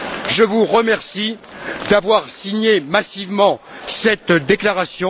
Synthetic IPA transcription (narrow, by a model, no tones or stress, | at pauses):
ʒəvuʁəmɛʁsi | d̪avwaʁsiɲemasivmɑ̃ | sɛt̪d̪eklaʁasjɔ̃